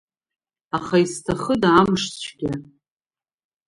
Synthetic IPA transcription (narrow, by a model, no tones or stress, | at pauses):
aχaistʰaχədaːmʂt͡ɕʷʰɡʲa